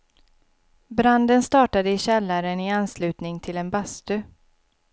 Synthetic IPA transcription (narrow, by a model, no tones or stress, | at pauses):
bɾand̪ənst̪ɑːʈad̪əɪɕɛlːaɾənɪanːslʉ̟ːt̪nɪŋt̪ʰɪlɛnbast̪ɵ